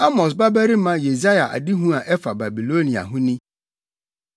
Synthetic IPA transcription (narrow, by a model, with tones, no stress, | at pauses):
a˦mɔ˨s̬ba˦bæ˦ɾi˦mã˦je˨za˦ja˨ʔa̰˨di˦ɦũ˦a˨ʔɛ˦fa˨ba˨bi˨lo˦nĩ˨a̰˨ɦʊ̃˦nĩ˦